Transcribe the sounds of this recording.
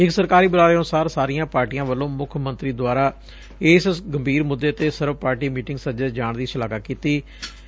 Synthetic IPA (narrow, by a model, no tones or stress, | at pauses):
ɪksəɾkaːɾiːbəlaːɾeənʊsaːɾsaːɾijãːpaːɾʈiːjãːʋəlːõːmʊkʰmənt̪ɾiːd̪waːɾaː | eːssɡəmbʱiːɾmʊd̪ːeːt̪eːsəɾʋpaːɾʈiːmiːʈɪ̃ŋɡsəd͡ʒəd͡ʒaːɳd̪iːsəlaːkakiːt̪iː